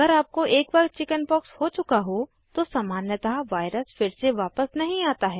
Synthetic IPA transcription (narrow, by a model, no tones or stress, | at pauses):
ɐɡəɾaːp̚koʔeːkʋɐkt͡ʃɪkənpɔːkshot͡ʃʊkaɦo | t̪osɐmaːnjət̪aʋaːɪɾəsfɪɾseʋaːpəsnɐɦĩaːt̪aɦɛː